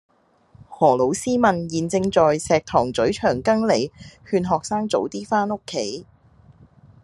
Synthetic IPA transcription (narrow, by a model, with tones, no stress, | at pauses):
hɔː˨˩lo˨˥wsiː˥mɐ˨njiː˨nt͡sɪ˧ŋt͡sɔː˨jsɛː˨k̚t̪ʰɔː˨˩ŋt͡sɵ˨˥ɥt͡ʃʰœː˨˩ŋkɐ˥ŋle˨˩jhyː˧nɦɔː˨k̚saː˥ŋt͡so˨˥wt̪iː˥faː˥no˥kʰːe˨˥j